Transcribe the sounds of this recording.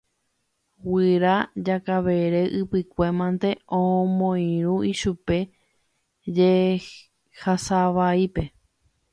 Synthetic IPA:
wɨɾad͡ʒakaʋeɾeʔɨpɨkʷe̞mãnt̪e̞ʔõmõĩɾ̃ũiʃupe̞ | d͡ʒe | hasaʋaipe̞

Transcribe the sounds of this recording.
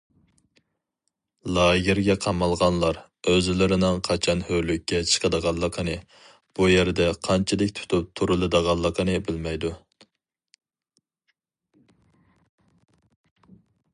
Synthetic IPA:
lˠɑjʲɪɾɡʲɛqʰɑmɑlˠʁɑnlˠɑɾ | øzlɪɾɪnɪŋqʰɑt͡ʃʰɑnhølykʲːɛt͡ʃʰə̥qʰəd̪əʁɑnlˠəqʰənɨ | b̥ujeɾd̪ɛqʰɑnt͡ʃʰɪd̪ɪkʲt̪ʰu̥t̪ʰup̚t̪ʰuɾɨlˠɨd̪əʁɑnlˠːəqənɨbɪlmɛjd̪u

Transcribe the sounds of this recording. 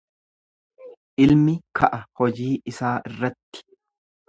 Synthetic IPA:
ʔɪlmɪkɐʔɐhɔd͡ʒiːʔɪsaːʔɪrːɐt̪ːɪ̥

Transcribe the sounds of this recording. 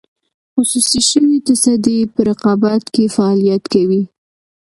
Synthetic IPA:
xʊsusiʃəwit̪asad̪epəɾɪqɑbat̪kefaɑlijat̪kawi

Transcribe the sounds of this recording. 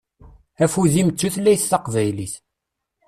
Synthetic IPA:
æfuðimət͡sːuθlːæjθθɑqvæjliθ

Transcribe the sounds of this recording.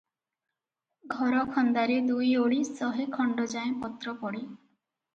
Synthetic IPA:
ɡʱɔɾɔkʰɔnd̪aɾed̪ujoɭisɔɦekʰɔɳɖɔd͡ʒaẽpɔt̪ɾɔpɔɽi

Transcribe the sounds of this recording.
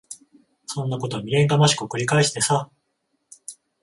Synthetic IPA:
sõ̞nːako̞t̪o̞mʲiɡẽ̞ŋɡamaɕi̥kɯkɯ̟ɾʲikaeɕi̥t̪e̞sa

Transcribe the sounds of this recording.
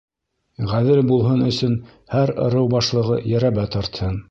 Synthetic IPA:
ʁæðɘlbulˠɦɤnɵ̆sɵn | hæɾŏ̰ɾɤwbɑʃlˠɤ̆ʁɤjæɾæβæt̪ɑɾt̪hɤn

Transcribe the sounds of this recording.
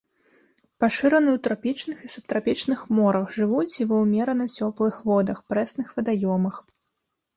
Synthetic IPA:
paʂɨɾɐnɨwt̪ɾapʲit͡ʂnɨxisup̚t̪ɾapʲit͡ʂnɨxmɔɾɐxʐɨvut͡sʲivɐwmʲɛɾɐnɐt͡sʲɔplˠɨxvɔd̪ɐxpɾɛsnɨxvɐd̪ajɔmɐx

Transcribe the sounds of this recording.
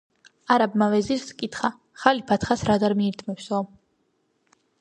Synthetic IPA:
aɾabmavɛziskʼit̪χa | χalipʰat̪ʰχasɾad̪aɾmiːɾt̪ʰmɛpsɔ

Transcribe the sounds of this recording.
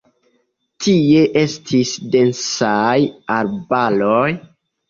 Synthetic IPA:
tie̞ʔe̞stʰisde̞nsajaɾbaloj

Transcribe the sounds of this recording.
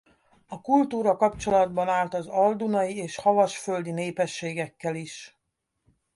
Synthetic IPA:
ɒkult̪uːɾɒkɒpt͡ʃo̞lɒd̪bɒnaːlt̪ɒzɒld̪unɒjieːʃhɒvɒʃfø̞ld̪ineːpɛʃːeːɡɛkːɛliʃ

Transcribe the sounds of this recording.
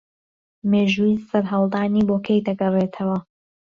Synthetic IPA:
meːʒuːisɐɾɦɐwlˠd̪aːniːboːkʰejd̪ɐɡɐrˤeːt̪ʰɐwɐ

